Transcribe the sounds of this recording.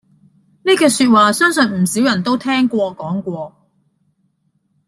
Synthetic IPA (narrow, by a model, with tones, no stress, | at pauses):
niː˥kɛː˧syː˧t̚waː˨sœː˥ŋsɵ˨˧nm̩˨˩siː˨˥wjɐ˨˩nt̪o˥wt̪ʰɛː˥ŋkʷɔː˧kɔː˨˥ŋkʷɔː˧